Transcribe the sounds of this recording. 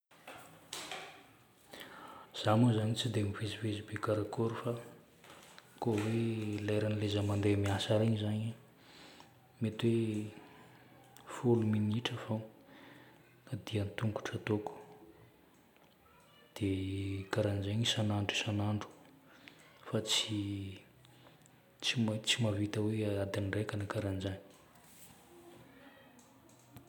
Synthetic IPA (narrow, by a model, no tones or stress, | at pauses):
z̥amuzanit͡sid̪emivizivezibekaɾakoɾufa | koweleɾanilezəmand̪emiasaɾeɲizaɲi | met̪we | fuluminiʈ͡ʂəfo | ad̪iant̪uŋku̥ʈ͡ʂət̪oku̥ | d̪̥ekaɾand͡ʒeɲisanaɳɖ͡ʐisanaɳɖ͡ʐu̥ | fat͡si | t͡simat͡simavit̪awead̪anɖ͡ʐekanikaɾand͡ʒani̥